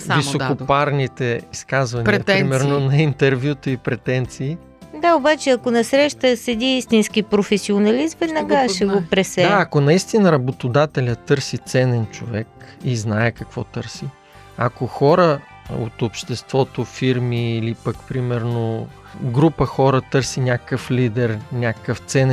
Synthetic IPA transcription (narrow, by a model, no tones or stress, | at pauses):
visokopaɾnit̪ɛiskazvɐnɛɾimɛɾnonɐint̪ɛɾvʲjut̪əipɾɛt̪ɛnt̪siː | d̪aobat͡ʃɛɐkonɐsɾɛʃt̪əsɛd̪ʲiist̪insk̟ipɾofɛsionɐlisvɛd̪nɐɡaʃɛɡopɾɛsɛd̪aːkonɐist̪inəɾɐbot̪od̪at̪ɛlʲɐt̪ɤɾsit̪sɛnɛnt͡ʃovɛkiznaɛkɐkvɔ̰t̪ɤɾsi | ɐ̰koxɔɾə | o̰t̪opʃt̪ɛst̪vɔt̪ofiɾmiːlipəkpɾimɛɾno | ɡɾupəxɔɾət̪ɤɾsinʲakəkəflid̪ɛɾnʲakəkəft̪sɛn